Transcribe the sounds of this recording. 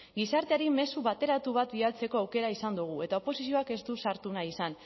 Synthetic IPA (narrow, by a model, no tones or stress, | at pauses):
ɡisaɾt̪e̞aɾime̞suβat̪e̞ɾat̪uβ̞at̪bialt͡se̞ko̞awke̞ɾaisand̪uɣ̞ue̞t̪aopo̞sisio̞ake̞zd̪usaɾt̪unaisan